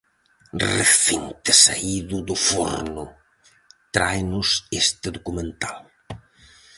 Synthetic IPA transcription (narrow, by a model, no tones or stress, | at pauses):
rḛθint̪ɪsa̰iðʊðʊfo̰ɾnʊ | t̪ɾajnʊsest̪ɪðokumẽnt̪al